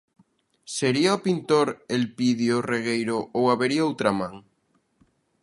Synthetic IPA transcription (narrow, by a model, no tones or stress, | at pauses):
seɾiaopint̪oɾelpiðjoreɣ̞ejɾoʔowaβeɾiaowt̪ɾamãŋ